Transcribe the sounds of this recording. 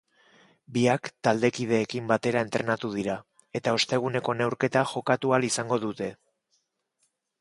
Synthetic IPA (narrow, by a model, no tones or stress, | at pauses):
biakt̪ald̪e̞kið̞e̞ːkimbat̪e̞ɾae̞nt̪ɾe̞nat̪uð̞iɾa | e̞t̪ao̞st̪e̞ɣ̞une̞ko̞ne̞wɾke̞t̪axo̞kat̪ualisaŋɡo̞ðut̪e̞